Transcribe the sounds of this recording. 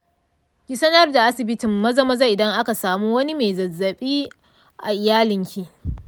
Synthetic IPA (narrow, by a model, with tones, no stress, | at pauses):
ɡʲɪ˦˨sɐ˦nɐ˦rda˨ʔa˦sɪ˨bɪ˦tɪ˨mːɐ˦zɐ˦mɐ˦za˦ʔɪ˨dɐ˦ŋʔa˦ka˨saː˨muː˦wɐ˦ni˦me˨zɐ˨zːɐ˨ɓiː˦ | ʔa˨ʔɪ˨jaː˦lɪ˨ŋkʲi˦ʔ